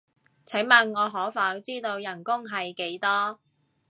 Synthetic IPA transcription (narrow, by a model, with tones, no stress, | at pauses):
t͡sʰɪ˨˥ŋmɐ˨nːɔː˨˧ɦɔː˨˥faː˨˧˥wt͡siː˥t̪o˧wjɐ˨˩nkʊ˥ŋɦɐ˨jke˨˥jt̪ɔː˥